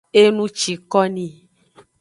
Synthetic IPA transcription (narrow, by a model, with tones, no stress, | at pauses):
e˦nũ˦t͡ʃi˨kɔ˦nĩ˦